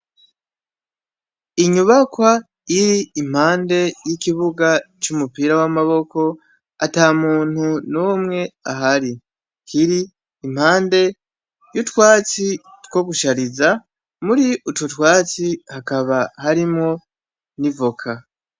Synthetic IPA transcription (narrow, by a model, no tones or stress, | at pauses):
iɲuβakwa | iɾiːm̥haːnde̞jikiβuɡat͡ʃumupiːɾawamaβo̞ko̞ | ataːmuːn̥hunuːmŋe̞aɦaɾi | kʰiɾiː | m̥haːnde̞ | jutwaːt͡si | two̞ɡuʃaɾiza | muɾiʔututwaːt͡sihakaβahaɾimŋo̞ | nivokʰa